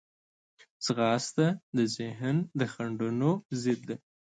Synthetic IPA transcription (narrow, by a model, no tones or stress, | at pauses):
sɣɑst̪ad̪əzɪɦnd̪əxaɳɖunozɪd̪̚d̪e